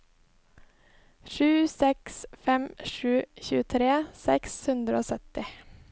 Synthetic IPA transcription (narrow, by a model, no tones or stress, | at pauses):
ʃʉːsɛksfɛmʃʉːçʉːət̪ʰɾeːsɛkshʉnd̪ɾəoːsœt̪ɪ